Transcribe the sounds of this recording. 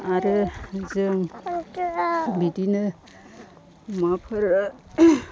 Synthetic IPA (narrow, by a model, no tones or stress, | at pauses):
aɾɯzɯŋ | bidinɯ | mapʰɯɾ